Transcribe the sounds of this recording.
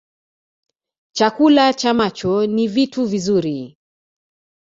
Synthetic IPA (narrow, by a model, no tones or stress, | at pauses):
t͡ʃakulat͡ʃamat͡ʃɔnivituvizuɾi